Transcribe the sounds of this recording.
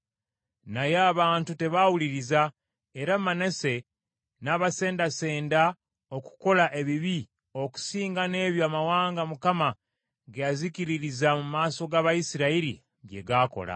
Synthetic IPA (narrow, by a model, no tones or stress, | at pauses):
najeaːβaːntute̞βawuliɾiza | eɾamane̞se̞ | naːβase̞ːndase̞ːnda | o̞ku̥ko̞laʔe̞βiβi | o̞ku̥siːŋɡane̞ːβjoamawaːŋɡamukama | ɡejaziciɾiɾizamumaːso̞ɡaβajisiɾaiɾḭ | ɡe̞̰ɡaːko̰la̰